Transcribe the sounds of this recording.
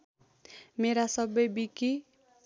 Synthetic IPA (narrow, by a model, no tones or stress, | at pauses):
meɾasʌbʌjbiki